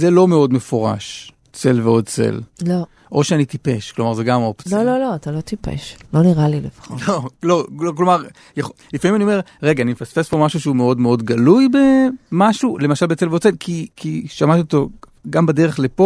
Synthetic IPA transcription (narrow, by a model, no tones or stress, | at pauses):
zelo̞meo̞dmefo̞ʁa̰ʃ | t͡se̞lveo̞d̚t͡sḛllo | ʔo̞ʃeanit̪ipe̞ʃklo̞maʁzeɡamopt͡slololoat̪alo̞t̪ipḛʃloniʁalilefḁχololo̞loklo̞maʁ | jaχlifamimaniome̞ʁʁeɡaːnimefasfespo̞maʃuʃeume̞o̞dmeo̞dɡalujbe̞maʃule̞maʃalbet͡se̞lved̚t͡se̞lkʰikʰiʃamat̪iot̪o | ɡambade̞ʁeχlepo̞